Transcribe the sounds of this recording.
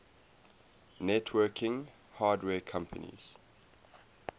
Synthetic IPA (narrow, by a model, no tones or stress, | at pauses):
nɛtʰwɜkʰɪ̃ŋ | haːdwɛːkʰãmpʰə̰nḭz̥